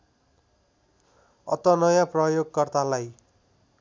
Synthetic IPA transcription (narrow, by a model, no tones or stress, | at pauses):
ʌ̰t̪ʌnʌjãprʌjoɡkʌrt̪alaj